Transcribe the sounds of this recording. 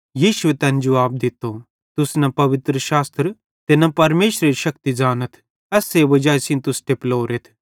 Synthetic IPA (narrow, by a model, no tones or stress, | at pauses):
jiːʃʊet̪ɛ̃ːnd͡ʒɐʋaːb̚d̪ɪt̪ːo | t̪ʊsnɐpɐʋɪt̪ɾəʃaːst̪ɾ | t̪enɐ̃pɐɾmeːʃɾeɾiʃɐk̚t̪id͡ʒaːnət̪ʰ | ɛseʋɐd͡ʒaːjsĩnt̪ʊsʈ̪eploːɾet̪ʰ